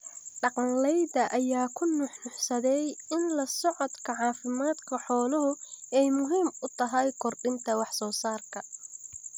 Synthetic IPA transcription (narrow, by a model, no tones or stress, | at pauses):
ɖɑqɑnlɛjd̪ɐʔɐjaːkʰʊnʊħnʊħsɐðɛjɪnlɐsɔʕɔd̪kʰɐʕɑːfɪmaːd̪kʰɐħɔːlɔɦʊɛjmʊɦiːmʊt̪ʰɐɦɐjkʰɔrɖɪnt̪ʰɐwɑħsɔːsaːrkʰɐ